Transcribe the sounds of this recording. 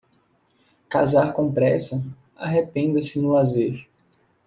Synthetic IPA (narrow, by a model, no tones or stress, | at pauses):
ka̰zaɾkõpɾɛsɐ | a̰ɦepẽnd̪ɐsɪnʊlazeɾ